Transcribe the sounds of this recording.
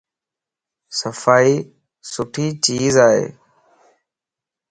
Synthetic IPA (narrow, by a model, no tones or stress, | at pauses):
səfaːiː | sʊʈʰiːt͡ʃiːzaːɦḛː